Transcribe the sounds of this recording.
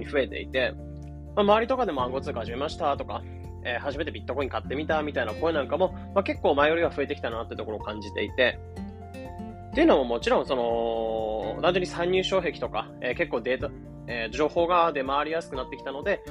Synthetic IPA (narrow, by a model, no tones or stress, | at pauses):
ɲiɸɯ̟e̞t̪e̞̰ḭt̪e̞ | mamaβaɾʲit̪o̞kad̪e̞mo̞ãŋɡo̞t͡sɨːɡahaʑime̞maɕi̥t̪at̪o̞ka | eːhaʑime̞t̪ebʲit̪ːokoɲ̟ikat̪ːe̞mʲit̪amʲit̪ainako̞enãŋkamo̞ | make̞kːoːmaejo̞ɾʲiβ̞aɸɯ̟e̞t̪e̞kʲi̥t̪anat̪ːeiɯ̟t̪o̞koɾoːkãɲ̟d͡ʑit̪e̞̰it̪e̞ | t̪e̞iɯ̟nomomo̞t͡ɕiɾõ̞ɰ̃so̞no̞ | d̪ãɲd͡ʑo̞ːɲ̟isaiɲ̟ːɨːɕo̞ːɦe̞kʲi̥t̪o̞ka | eːke̞kːoːd̪et̪a | ed͡ʑo̞ːho̞ːɡad̪e̞maːɾʲijasɨ̥kɯ̟nat̪ːe̞kʲi̥t̪ano̞d̪e̞